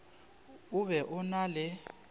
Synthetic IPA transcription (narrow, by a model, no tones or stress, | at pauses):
ʊβɛʔʊnalɛ